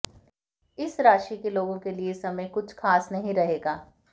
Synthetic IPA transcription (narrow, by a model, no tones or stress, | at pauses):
ɪsɾaːʃikeloːɡõkeliesɐməjkʊt͡ʃʰxaːsnɐɦĩɾɐɦeːɡaː